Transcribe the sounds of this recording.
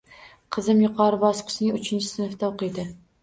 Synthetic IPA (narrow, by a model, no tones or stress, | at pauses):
qʰɨzɪmjʊqʰɑɾɪbɒsqʰɨ̥ʃɪnɪŋʊt͡ʃʰɪnt͡ʃʰɪ̥snɨft̪aoqʰɨjd̪ɪ